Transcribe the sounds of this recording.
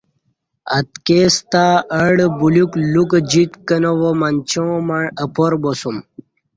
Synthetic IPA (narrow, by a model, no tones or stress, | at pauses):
ɐ̰t̪kest̪aəɽbuluklukd͡ʑit̪kənowomɐnt͡ɕõmɐɳəpoɾbosum